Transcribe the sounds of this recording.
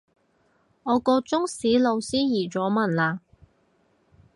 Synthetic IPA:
ŋɔː˨˧kɔː˧t͡sʊ˥ŋsiː˨˥lo˨˧wsiː˥jiː˨˩t͡sɔː˨˥mɐ˨nlaː˨˧

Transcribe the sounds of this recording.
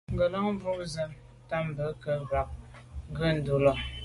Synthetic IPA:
ŋ̩˨ɡə˨lə˦ŋ˦vu˦ʔzə˨m | ta˦m˨bə˨˦kə˨ɣa˨k̚ | ŋ̩˦ɡə˦n̩˨du˦lɔ˨

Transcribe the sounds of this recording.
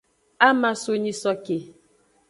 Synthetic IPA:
a˦ma˦so˦ɲi˦sɔ˦ke˨

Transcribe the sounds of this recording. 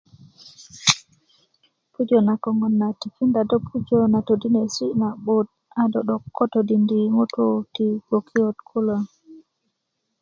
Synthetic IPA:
pu˦d͡ʒo˨na˨kɔ˨ŋo˨nːa˨ti˨fi˦nda˨do˦pʰu˦d͡ʒo˦na˨to˨di˦ne˨si˦na˨ɓo˦t̚ | a˨dɔ˨ɗɔ˨kːo˦to˨di˨ndi˨ŋo˦tu˦ti˨ɡo˨kʰi˦o˦tkʰu˦lo˨

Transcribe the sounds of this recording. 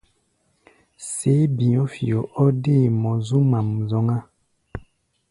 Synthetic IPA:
se˨˦bĩ˨ɔ̃˦fi˨ɔ˨ʔɔ˦de˦˨mɔ̃˨zu˦mã˨m˨zɔ˨˦ŋa˦

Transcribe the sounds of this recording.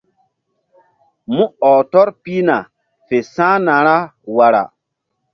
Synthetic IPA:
mũ˦ɔː˨tɔ˦ɾpi˦na˨ | fe˨sãː˦nã˨ɾa˦wa˨ɾa̰˨

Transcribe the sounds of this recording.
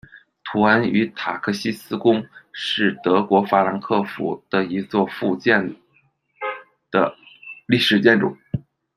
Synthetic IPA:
t̪ʰu˧˥a˧˥ny˧˥t̪ʰa˨˩kʰɤ˥˩ɕi˥sɹ̩˥kʊ˥ŋʂɻ̩˥˩t̪ɤ˧˥kwɔ˧˥fa˥la˧˥nkʰɤ˥˩fṵ˨˧˩d̪̥ə˧i˧˥t͡swɔ˥˧fu˥˧t͡ɕjɛ˥˩n | d̪̥ə̰˩li˥˩ʂɻ̩˨˩t͡ɕjɛ˥˩nʈ͡ʂʊ̰˨˩˦

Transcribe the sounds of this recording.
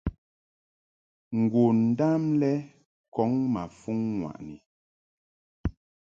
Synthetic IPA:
ŋ̩˨ɡwo˨n̩˨da˦mlɛ˦ | kɔ˨˦ŋma˨fu˦ŋːwa̰˨ʔni˨

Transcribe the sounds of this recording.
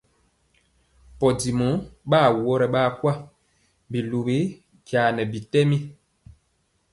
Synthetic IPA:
pɔ˨di˨mɔ˨˦ɓaː˦˨wɔ˦ɾɛ˨ɓa˦˨kwa˦ | bi˨lu˨be˨˦ | kja˨nɛ˨bi˨tɛ˦mi˦

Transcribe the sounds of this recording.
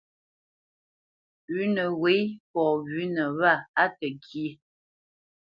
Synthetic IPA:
ʉ˦nə˨we˨˦pɔ˨βʉ˨˦nə˨βa˦˨a˦tə˨ki˦ə˨˦

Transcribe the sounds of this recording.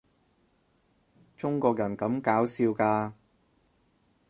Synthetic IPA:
t͡ʃʊ˥ŋkɔː˧k̚jɐ˨˩nkɐ˨˥mkaː˨˥wsiː˧wkaː˧

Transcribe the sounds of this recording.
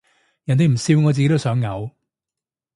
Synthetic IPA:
jɐ˨˩nt̪e˨jm̩˨˩siː˧wŋɔː˨˧t͡si˨ke˥t̪o˥wsœː˨˥ŋːɐ˨˧w

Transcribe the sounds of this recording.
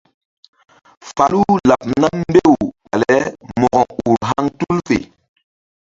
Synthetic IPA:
fa˨lu˦la˨p̚na˦mm˦be˦˨wɓa˨lɛ˦mɔ˨ɡɔ˨ŋu˨ɾɦa˦ŋtu˦lfḛ˨

